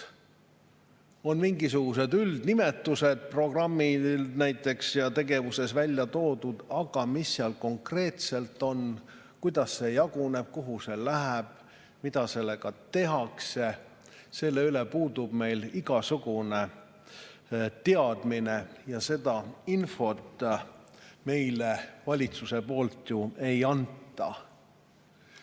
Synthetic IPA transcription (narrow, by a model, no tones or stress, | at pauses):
o̞nmiŋɡis̬uɡ̥use̞d̪yld̪nime̞t̪ːˑuse̞d̪̥̚pro̞ɡ̥rɑmːilnæjt̪ːˑe̞ksjɑt̪e̞ɡe̞vuse̞svælʲjɑt̪o̞ːd̪ud̪̥ɑɡ̥ɑmisːeɑlko̞ŋkre̞ːt̪se̞lt̪ːˑo̞n | kujd̪̥ɑsːe̞jɑɡ̥une̞b̥̚kuɦuse̞læɦæb̥̚ | mid̪ɑse̞lːe̞ɡɑt̪e̞ɦɑkse | se̞lːe̞ylepuːd̪ub̥me̞jliɡ̥ɑsuɡune̞ | t̪eɑd̪̥minejɑse̞d̪̥ɑinfo̞t̪ː | me̞jlevɑlʲit̪suse̞po̞ːlt̪jue̞jɑnt̪ːˑɑ